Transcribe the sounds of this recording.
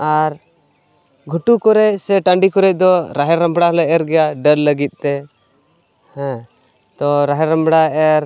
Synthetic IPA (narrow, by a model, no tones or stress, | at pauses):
aɾ | ɡʱuʈukɔɾɛc̚sɛʈə̃ɳɖikɔɾɛc̚ˀd̪ɔɾaɦɛɾãmbɽaɦɔlɛɛɾɡɛjaɖəɾləɡit̪̚ˀt̪ɛ | hɛ̃ | t̪ɔɾaɦɛɾãmbɽaɛɾ